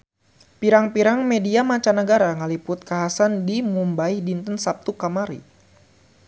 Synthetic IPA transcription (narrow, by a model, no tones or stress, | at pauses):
piɾaŋpiɾaŋmediamat͡ʃanəɡaɾaŋəlipʊt̪̚kaɦasandimumbaihdint̪ənsap̚t̪ukamaɾḭ